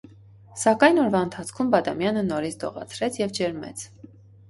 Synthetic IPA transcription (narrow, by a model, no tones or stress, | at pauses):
sɑkɑjnɔɾvɑənt̪ʰɑt͡sʰkʰumbɑd̪ɑmjɑnənɔɾit͡sʰd̪ɔ̰ʁɑ̰t͡sʰɾɛt͡sʰjɛvd͡ʒɛɾmɛ̰t͡sʰ